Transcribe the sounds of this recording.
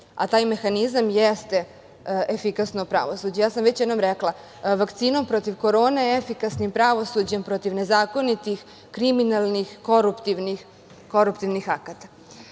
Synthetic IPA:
a̰t̪aːjme̞xanizamjest̪e | efikasnopɾa̰ʋo̞sud͡ʑujaːsamʋet͡ɕjɛd̪nomɾeklˠa | ʋakt̪siːno̞mpɾo̞t̪iʋko̞ɾo̞ːne̞efikasnimpɾaʋo̞sud͡ʑe̞mpɾo̞t̪iʋne̞zaːko̞nit̪ix | kɾiminalˠnixko̞ɾupt̪iʋnix | ko̞ɾupt̪iʋnixakat̪ḁ

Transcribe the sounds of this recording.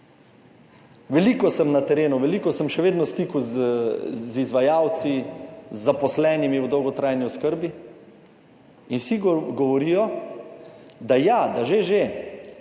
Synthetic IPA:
ʋɛlikɔsəmnat̪ɛɾeːnuʋɛlikɔsəmʃɛʋeːd̪nɔst̪iːkuz | zizʋajawt̪sizːapɔslɛːnimiud̪ɔwɡɔt̪ɾaːjniɔskəɾbi | inwsiɡɔʋɔɾijɔ | d̪ajad̪aʒeʒe

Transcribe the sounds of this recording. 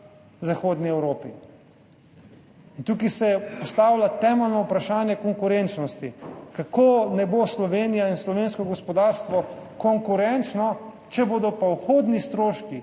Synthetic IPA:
zaxoːd̪niɛwɾoːpi | int̪uːkisɛpɔst̪aːwlat̪ɛːmɛlnɔupɾaʃaːnjɛkɔŋkʊɾent͡ʃnɔst̪ikakonɛboslɔʋeːnijainslɔʋenskɔɡɔspɔd̪aːɾst̪ʋɔkɔŋkuɾɛnt͡ʃnɔ | t͡ʃɛboːd̪ɔpawxoːd̪nist̪ɾoːʃki

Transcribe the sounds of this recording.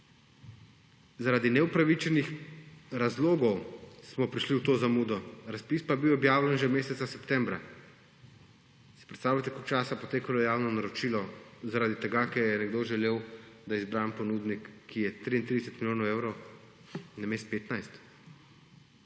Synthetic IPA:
zaɾaːd̪inɛupɾaʋit͡ʃɛnixɾazloːɡɔwsmɔpɾiʃliwt̪oːzamuːd̪ɔɾaspispabiwɔbjaːwlɛnʒɛmeːsɛt̪sasɛpt̪ɛmbɾa | sɛ̥pɾɛt̪st̪aːwlat̪ɛkolkt͡ʃaːsapɔt̪eːkalɔjaːwnɔnaɾɔt͡ʃiːlɔzaɾad̪it̪ɛɡakɛɾjɛnɛɡd̪oːʒɛleːwd̪aizbɾampɔnuːd̪nikːijɛt̪ɾiint̪ɾid̪ɛsɛt̪miljoːnɔweːwɾɔw | nameːst̪̚peːt̪najst̪

